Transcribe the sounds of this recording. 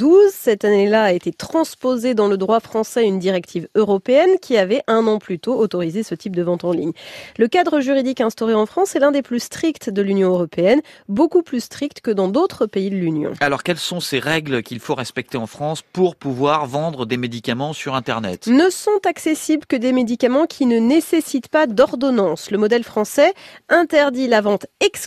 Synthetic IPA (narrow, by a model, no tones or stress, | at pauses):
d̪uzsɛt̪anelaːet̪et̪χɑ̃spozed̪ɑ̃ləd̪ʁwafχɑ̃sɛynd̪iʁɛk̚t̪ʰivøʁɔpeɛnkʲʰiavɛɛ̃nɑ̃plyt̪oːt̪ɔʁizesət̪ip̚d̪əvɑ̃t̪ɑ̃lḭɲləkad̪ʁəʒyʁid̪ikɛ̃st̪ɔʁeɑ̃fχɑ̃sɛlɛ̃d̪eplyst̪χikt̪d̪əlynjɔ̃øʁɔpeɛnbokuplyst̪χik̚t̪kəd̪ɑ̃d̪ot̪χəpeid̪əlynjɔ̰̃alɔʁkʲɛlsɔ̃seʁɛɡlkʲilfoʁɛspɛk̚t̪eɑ̃fχɑ̃spuʁpuvwaʁvɑ̃d̪ʁəd̪emed̪ikamɑ̃syʁɛ̃t̪ɛʁnɛ̰t̪nəsɔ̃t̪aksesiblkəd̪emed̪ikamɑ̃kʲʰinənesesit̪pad̪ɔʁd̪ɔnɑ̃sləmɔd̪ɛlfχɑ̃sɛɛ̃t̪ɛʁd̪ilavɑ̃t̪ɛks